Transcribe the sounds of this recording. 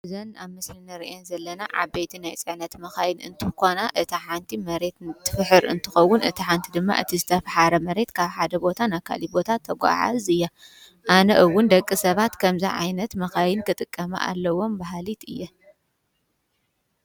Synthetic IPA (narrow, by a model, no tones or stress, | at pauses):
ɨzɐnaβmɨslinɨɾiʔenzɐlːɐnaʕa̰bejt̪ʰinajt͡sʼɨʕnɐt̪mɐxajɪnɨ̰nt̪ʰɨkonaʔɨt̪ʰiħant̪ʰimɐɾe̞t̪t̪ʰːɨfħɨɾɨ̰nt̪ʰɨxɐwːʊnʔɨt̪ʰiħant̪ʰid̪ɨmːa̰ʔɨ̰t̪ʰizɨt̪ʰɐfħaɾɐmɐɾe̞t̪kʰaβħad̪ɐbo̞t̪ʰanakʰa̰libo̞t̪ʰat̪ʰːɐɡʷa̰ʕa̰zɨjːa | ʔanɐʔɨwːʊnd̪ɐkʼːisɐβat̪kʰɐmziʕa̰jnɐt̪mɐxajɪnkʰɨt̪ʼɨkʼːɐma̰ʔa̰lːɐwo̞mbaɦlit̪ɨjːɐ